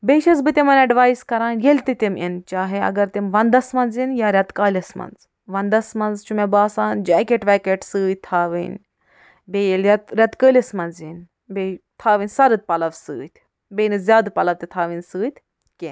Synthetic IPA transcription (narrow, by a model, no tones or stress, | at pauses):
beːʃɐzbɨt̪ʲemɐnɐɖʋaːiskɐɾãːnjelʲt̪it̪ʲimint͡ʃaːɦeɐ̰ɡɐɾt̪imʋɐnd̪ɐsmɐnzinjaːɾʲɐt̪kaːlʲɐsmɐ̰nz | ʋɐnd̪ɐsmɐnzt͡ʃʰumebaːsaːnd͡ʒaːkeʈʋʲɛːkeʈsɨːt̪ʰaːʋḭnʲ | bejelʲɐt̪ɾʲɐt̪kəːlʲɐsmɐnzin | bet̪ʰaːʋɨnʲsɐɾɨt̪̚pɐlɐʋsɨːt̪ʲʰ | beːnɨzʲjaːd̪pɐlɐʋt̪it̪ʰaːʋinsɨːt̪ʰʲ | ken